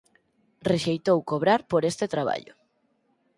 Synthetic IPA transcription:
reʃejt̪owkoβɾaɾpoɾest̪et̪ɾaβa̰ʎʊ̰

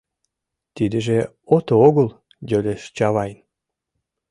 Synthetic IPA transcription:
t̪id̪ə̆ʒe | ot̪ooɣəl | jølʲeʃt͡ɕɑβɑjn

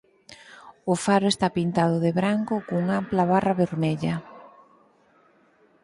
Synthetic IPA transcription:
ʊfaɾʊest̪apint̪að̞ʊðeβɾaŋkʊkouŋamplaβaraβeɾmeʎɐ

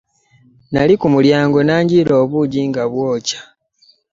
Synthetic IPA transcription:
na̰likumuljaːŋɡo̞naːɲɟilo̞ːβuɟiŋɡaβwoːcḁ

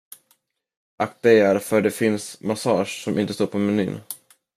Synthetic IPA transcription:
ʔakd̪ɛjaɾfœɖɛfɪnsmasɑːʂːɔmʔɪ̰nt̪əst̪oːɾpʰɔmɛny̰ːn

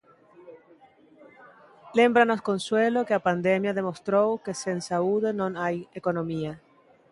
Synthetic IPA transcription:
lembɾanoskonswelokeapand̪emjaðemost̪ɾowkesensauðenõnajekonõmia

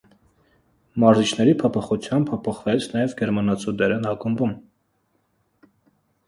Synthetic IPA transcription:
mɑɾzit͡ʃʰn̪ɛɾipʰɔpʰɔχut͡sʰjɑmbʰɔpʰɔχvɛt͡sʰnɑjɛvɡɛɾmɑnɑt͡sʰud̪ɛɾɛnɑkəmvum

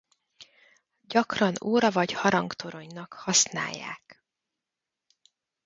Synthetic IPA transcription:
ɟɒkrɒnoːɾɒvɒɟhɒɾɒŋkt̪ʰoɾo̞ɲnɒkhɒsna̰ːjːa̰ːk

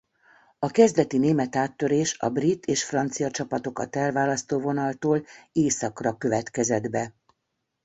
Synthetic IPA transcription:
ɒkɛzd̪ɛt̪ineːmɛt̪aːt̪ːø̞ɾeːʃɒ̰brit̪ːeːʃfrɒnt̪sijɒt͡ʃɒpɒt̪o̞kɒ̰t̪ɛlvaːlɒst̪oːvo̞nɒlt̪oːleːsɒkrɒkø̞vɛt̪kɛzɛd̪bɛ

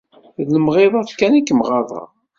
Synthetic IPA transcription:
ðləmʁeðˤɑðkænikːəmʁɑðˤɑ̰

